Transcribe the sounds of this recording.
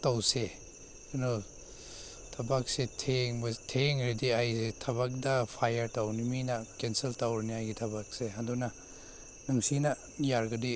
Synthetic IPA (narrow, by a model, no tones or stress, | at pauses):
tawse | nu | tʰɐbak̚setʰeŋbɐtʰeŋɾediajsetʰɐβak̚dɐpʰajɐɾtawniminɐkenseltawɾniajɡitʰɐbak̚seɦadunɐ | nuŋsinɐ | jaɾɡɐdi